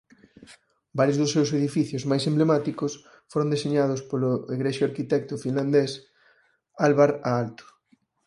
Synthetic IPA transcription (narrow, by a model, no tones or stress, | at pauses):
baɾjozðʊsːewseðifiθjozmajsẽmblemat̪ikʊs | foɾõnd̪eseɲað̞ʊspolʊeɣɾeʃoaɾkit̪ɛk̚t̪ʊfinland̪es | alβaɾaalt̪ʊ̥